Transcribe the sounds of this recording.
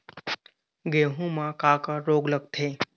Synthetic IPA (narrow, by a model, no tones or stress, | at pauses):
ɡeɦũmãkakaɾoɡlək̚t̪ʰe